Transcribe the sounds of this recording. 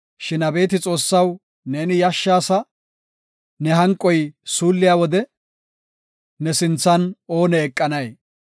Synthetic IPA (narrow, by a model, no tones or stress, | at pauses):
ʃɪnɐbe̞ːt̪ɪt͡sʼo̞ːsːɐw | ne̞ːnɪjɐʃːaːsɐ | nɛɦɐŋkʼːɔjsuːlːɪjaːwɔd̪ɛ | nɛsɪnt͡sːɐno̞ːnɛːkʼːɐnɐj